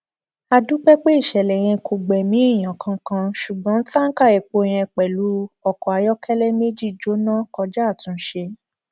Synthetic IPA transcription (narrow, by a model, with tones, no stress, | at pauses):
a˧du˨˦k͡pɛ˦k͡pe˦i˦˨ʃɛ˨lɛ˨j̃ɛ̃˧ko˨ɡ͡bɛ˨mĩ˨˦i˦˨j̃ã˨kʰã˧kã˧ʃu˨ɡ͡bɔ̃˨˦n̩˦ta˦n̩˦ka˦˨e˨k͡po˨˧j̃ɛ̃˧k͡pɛ˨lu˨˦ɔ˨kɔ˨a˧jɔ˦kʰɛ˦lɛ˦me˦d͡ʒi˦˨d͡ʒo˨˦nã˦kɔ˧d͡ʒa˦˨tũ˨˧˦ʃe˧